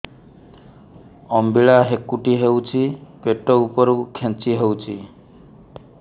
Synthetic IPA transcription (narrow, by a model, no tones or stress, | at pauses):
ɔmbiɭaɦekːuʈiɦewt͡ʃʰipeʈɔupɔɾukʰẽnt͡ʃiɦewt͡ʃʰi